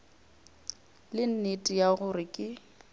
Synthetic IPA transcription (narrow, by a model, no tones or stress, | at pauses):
lɪn̩netʼijaɣʊrɪkʼɪ